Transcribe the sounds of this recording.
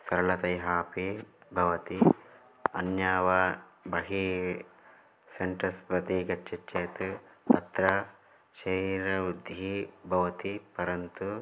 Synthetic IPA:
sɐɾɐlɐt̪ɐjɦaːpibʱɐʋɐt̪i | ɐnjaːʋabɐɦi | seɳʈɐspɾɐt̪iɡɐt͡ʃːʃɐt͡ʃːt͡ʃːeːt̪t̪ɐt̪ɾɐ | ʃɐɾiːɾɐud̪ʱibʱɐʋɐt̪ipɐɾɐnt̪u

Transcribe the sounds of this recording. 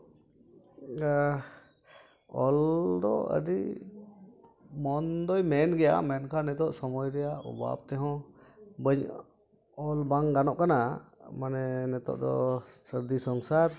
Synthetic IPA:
ɔld̪ɔə̰ɖi | mɔnd̪ɔjmɛnɡɛja̰mɛnkʰanɛt̪ɔʔsɔmɔjɾɛjaɔ̰ba̰b̚t̪ɛɦɔ̃bəɲ | ɔlbaŋɡanɔʔkanamanɛnɛt̪ɔ̰ʔd̪ɔ̰səɾd̪isɔŋsaɾ

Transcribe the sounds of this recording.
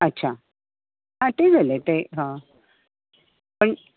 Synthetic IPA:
ətːɕʰa | ɦãt̪ed͡zʱəlet̪eɦã | pəɳ

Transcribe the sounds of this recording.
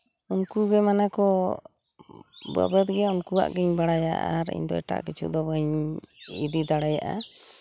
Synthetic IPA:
unkuɡɛmanakɔ | ba̰bət̪ɡɛaunkua̰ʔɡiɲbaɽaja̰ʔa̰ɾḭɲd̪ɔɛ̰ʈa̰ʔɡɛt͡ʃʰṵd̪ɔbaɲ | id̪id̪aɽajaʔa̰

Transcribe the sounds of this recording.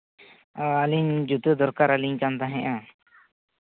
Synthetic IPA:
aliɲd͡ʒut̪əd̪ɔɾkaɾaliɲt͡ʃant̪aɦɛ̃ʔã

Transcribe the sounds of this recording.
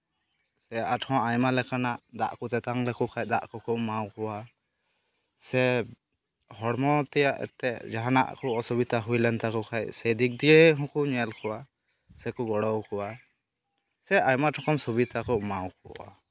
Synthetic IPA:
sɛaʈʰɔ̃ajmalɛkanaʔd̪aʔkut̪ɛt̪aŋlɛkukʰajd̪aʔkɔkʰɔʔmawkɔwa | sɛ | hɔɽmɔt̪ɛjaʔɛ̰t̪ɛd͡ʒaɦana̰ʔkɔɔsubit̪aɦujlɛnt̪akɔkʰajsɛd̪ik̚d̪ieɦɔ̃kuɲɛlkʰɔwa | sɛkuɡɔɽɔwkʰɔwa | sɛajmaʈʰɔkɔmsubit̪akɔʔmawkɔa̰

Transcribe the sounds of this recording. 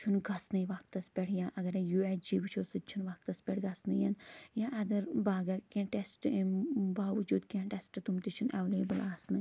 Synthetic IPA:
t͡ʃʰunɡɐsnɨjʋɐk̚t̪ɐspʲeʈʰjaːʔɐɡɐɾjuːesd͡ʒiːbt͡ʃʰoːsɨt͡ʃʰunʋɐk̚t̪ɐspʲɛʈʰɡɐsnɨjɐnjaːʔɐd̪ɐɾbaːɡɐɾkẽʈesʈimbaːʋɐd͡ʒuːd̪kʲẽːʈesʈt̪umt̪it͡ʃʰunɛ̰ʋleːbɨlaːsnɨ

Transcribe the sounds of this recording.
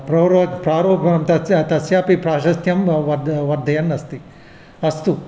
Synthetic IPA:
pɾɐɾɐdpɾaːɾoːpɐɐmt̪ɐt̪ɐsjaːpipɾaːʃɐst̪ʰjɐmʋɐd̪ʋɐɾd̪ʱɐjɐnːɐst̪i | ɐst̪u

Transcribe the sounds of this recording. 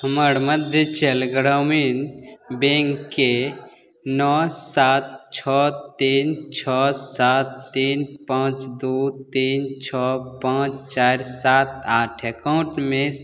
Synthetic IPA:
həməɾməd̪ʱjət͡ʃeːlɡɾaminbẽːŋkːe | nɔsaːt̪t͡ʃʰɔt̪ːiːnt͡ʃʰɔsaːt̪ːiːnpãt͡ʃd̪ut̪iːnt͡ʃʰɔpãːt͡ʃt͡ʃaːɾsaːt̪̚ʰaːʈʰekaʊ̃ʈmẽ

